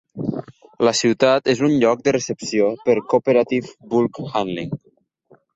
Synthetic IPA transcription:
ləsiwt̪at̪ezunʎɔk̚d̪ərəsəpsiopəɾkopəɾat̪ifbulkxanlḭŋ

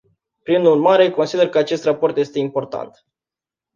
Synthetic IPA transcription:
pɾinurmaɾe̞ko̞nsid̪e̞rkəat͡ʃe̞st̪rapo̞rt̪je̞st̪e̞impo̞rt̪a̰nt̪

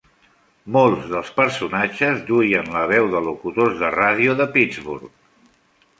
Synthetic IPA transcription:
molˠzðəlˠspəɾsunat͡ʃəzd̪ujənləβ̞ɛwðəlukut̪ozðəraðiuðəpid͡zβṵɾk̚

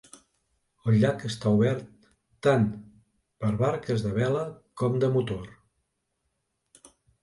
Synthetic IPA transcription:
əlʎakəst̪auβɛɾt̪ː | an | pəɾβaɾkəzðəβɛləkɔmd̪əmut̪or

